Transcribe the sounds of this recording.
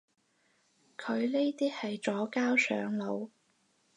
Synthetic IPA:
kʰɵ˨˧ɥneː˥t̪iː˥hɐ˨jt͡sɔː˨˥kaː˥wsœ̰ː˨˥ŋlo˨˧w

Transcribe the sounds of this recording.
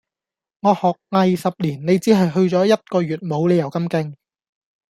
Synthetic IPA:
ŋɔː˨˧hɔː˨k̚ŋɐ˨˧jsɐ˨p̚liː˨˩nne˨˧jt͡siː˨˥ɦɐ˨jɦɵ˧ɥt͡sɔː˨˥jɐ˥t̚kɔː˧ɥyː˨˩t̚mo˨˧wne˨˧jɐ˨˩wkɐ˥mkɪ˧ŋ

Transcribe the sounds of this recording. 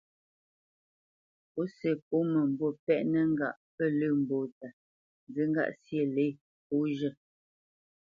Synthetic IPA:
po˨˦se˨po˨˦mə˨m̩˨bo˦˨pɛ˦ʔnə˦ŋ˦ɡa̰˨ʔpə˦˨lə˦˨m̩˨bo˨ta˨ | n˨d͡zɨ˨˦ŋ̩˦ɡa̰˦˨ʔsje˦˨le˦˨ | po˨˦ʒə˦˨

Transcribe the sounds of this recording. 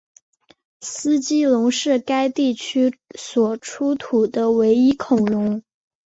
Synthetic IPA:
sɹ̩˥t͡ɕi˥lʊ˧˥ŋʂɻ̩˥˩ka˥ɪt̪i˥˩t͡ɕʰy˥swɔ˨˩ʈ͡ʂʰu˥t̪ʰu˨˩d̪ə˦we˧˥ɪi˥kʰʊ˨˩ŋɻʊ˧˥ŋ

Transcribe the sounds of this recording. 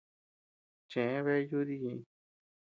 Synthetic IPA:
t͡ʃẽ˨ẽ˦βe˦ju˦ði˦jĩ˧

